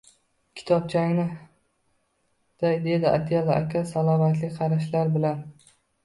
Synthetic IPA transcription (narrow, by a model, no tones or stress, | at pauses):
kʲʰɪ̥t̪ʰɒp̚t͡ʃʰaŋʲnɪ | d̪̥ajd̪e̞d̪ɪʔa̰t̪ʰalaʔakʲʰasalˠɒmat̪lɪkʲqʰɑɾaʃlaɾbɪlan